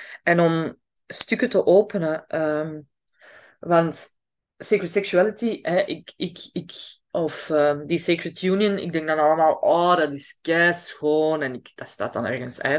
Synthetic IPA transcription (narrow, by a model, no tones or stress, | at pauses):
ɛnɔm | stʏkətəʔoːpənəəm | ʋɑnt | sekɹətsɛksyalɪtiɛʔɪkɪkɪk | ɔfəːdisekɹətjuːnjənɪ̰ɡ̚dɛŋɡdɑnɑləmaːlˠʔɔːdɑtɪskɛsxoːnɛnɪkd̥ɑtsta̰ːtd̥ɑ̰nɛ̰rɣənsɛ̰